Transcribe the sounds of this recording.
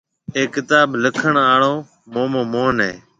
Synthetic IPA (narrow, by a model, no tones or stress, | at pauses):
eːkɪt̪aːbləkʰəɳaːɳoː | moːmõːmoːnɦḛː